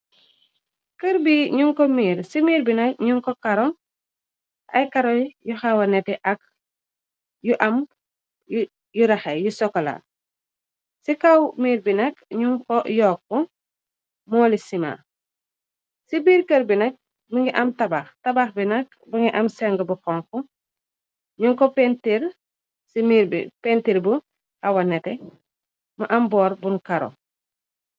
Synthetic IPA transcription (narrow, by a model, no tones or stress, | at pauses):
kəɾbiɲuŋkɔmiːɾsimiːɾbinɐk̚ɲuŋkɔkɐɾɔŋ | ʔɐ̰jkaɾɔjjuxawɐnɛtɛʔɐk̚ | juʔɐm | juɾɐxɛjusɔkːɐla̰ | sikawmiːɾbinɐkɲuŋkɔjɔːk̚ːɔ | mɔːlisima̰ | sibiːɾkəɾbinɐk̚ | bəŋɡiʔɐmtɐbaxtɐbaxbinɐk̚ | buŋɡiʔɐmsɛŋɡəbuxɔŋku | ɲuŋkɔpɛntiɾ | simiɾbḭpɛntiɾbu | ɐwɐnɛtɛ | mɐʔɐmbɔːɾbuŋkɐɾo̰